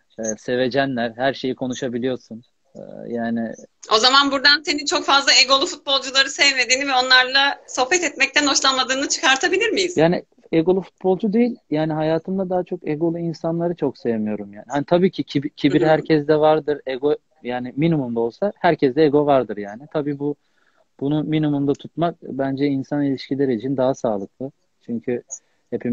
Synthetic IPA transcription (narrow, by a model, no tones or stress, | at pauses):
ɛːse̞ve̞d͡ʒænlʲæɾhæɾʃe̞jikʰo̞nuʃabilʲijo̞ɾsun̰ | jaːnɪ̰o̞zamanbuɾd̪ansenint͡ʃʰo̞kfazlˠaeɡo̞lˠufut̪̚bo̞lˠd͡ʒulˠaɾɯsɛvme̞d̪iːnivɛo̞nlˠaɾlˠaso̞hbɛt̪ɛt̪mɛc̚t̪æno̞ʃlˠanmad̪ɯːnɯt͡ʃʰɯ̥kaɾt̪ʰabilʲiɾmijiz̥jaːni | eɡo̞lˠufu̥t̪̚bo̞lˠd͡ʒud̪ejilʲjaːniɦajaːt̪ʰɯmd̪ad̪aɦat͡ʃʰo̞keɡo̞lˠuinsanlˠaɾɯt͡ʃʰo̞ksejemijo̞ɾumjaːniɦanit̪ʰabiːcʰicʰibcʰibiɾhæɾcʰɛzd̪ɛvaɾd̪ɯɾɛɡo | jaːnɪminumund̪ao̞lˠsahæɾcʰɛsd̪ɛeɡo̞vaɾd̪ɯɾjaːnɪt̪ʰabiːbu | b̥unuminumund̪at̪ʰut̪̚mak̚bænd͡ʒɛinsanilʲiʃcilʲeɾit͡ʃʰind̪aɦasaːlˠɯk̚lˠɯ | t͡ʃʰyɲcʰy | he̞pʰim